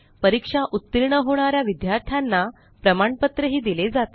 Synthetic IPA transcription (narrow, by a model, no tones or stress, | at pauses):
pəɾikʂaʔut̪ːiɾɳəɦoɽ̃aɾjaʋid̪jaɾt̪ʰjanːa | pɾəmaɳpət̪ɾəɦiːd̪iled͡zat̪